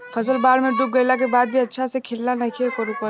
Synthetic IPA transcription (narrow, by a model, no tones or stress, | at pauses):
pʰəsəlbaːɾmeɖuk̚ɡəɪlak̬ebaːd̪̚bʱiɐtːʃʰasekʰɪlːanəkʰiekəɾupə